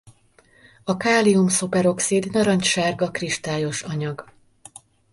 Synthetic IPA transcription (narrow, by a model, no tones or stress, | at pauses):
ɒkaːliumsopɛɾo̞ksid̪nɒɾɒɲcʃaːrɡɒkriʃt̪aːjo̞ʃɒɲɒɡ